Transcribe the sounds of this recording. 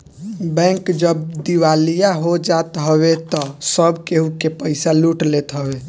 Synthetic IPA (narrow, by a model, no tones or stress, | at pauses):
bɛ̃kd͡ʒəbd̪iwalijaɦod͡ʒat̪ɦəβet̪ɔsəbkeɦukepəɪsaluʈlet̪ɦəbe